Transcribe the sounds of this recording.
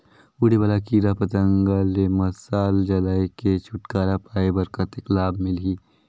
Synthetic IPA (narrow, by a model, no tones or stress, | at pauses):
uɽibaːlakiːɾapɐt̪ə̃ŋɡalemɐsaːld͡ʒɐlaːeket͡ʃʰʊʈkaːɾapaːebɐɾkət̪ɪklaːbmɪlɦiː